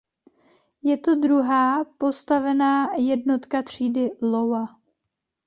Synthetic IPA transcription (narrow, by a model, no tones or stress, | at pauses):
jɛt̪o̞dɾuɦaːpo̞st̪avɛnaːjɛdno̞t̪kat̪r̝̥iːdɪlowa